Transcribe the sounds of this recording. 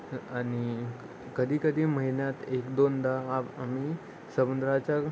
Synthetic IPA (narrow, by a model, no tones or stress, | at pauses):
ani | kəd̪ʱiːkəd̪ʱiːməɦinjat̪ekd̪ond̪aːamiː | səbənd̪ɾat͡ɕa